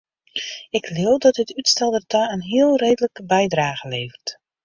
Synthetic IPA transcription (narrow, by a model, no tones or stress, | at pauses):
ɪkʰlɪwˠdɔt̚dətytstɛlˠdərtaənɦiəlˠreːdələkəbɛjdraːɣəleːvərt